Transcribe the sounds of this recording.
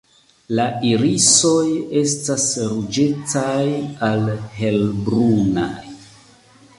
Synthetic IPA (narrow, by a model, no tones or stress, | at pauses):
laiɾiso̞je̞stasɾud͡ʒe̞tajalhe̞lbɾunaj